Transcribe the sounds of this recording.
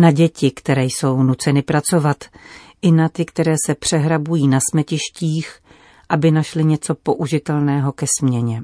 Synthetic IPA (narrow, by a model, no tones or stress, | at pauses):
naɟɛcɪkt̪ɛɾɛːjso̞wnut͡sɛnɪpɾat͡so̞vat̪ʔɪnat̪ɪkt̪ɛɾɛːsɛpr̝̥ɛɦɾabujiːnasmɛcɪʃciːx | ʔabɪnaʃlɪɲɛt͡so̞po̞ʔuʒɪt̪ɛlnɛːɦo̞kɛsmɲɛɲɛ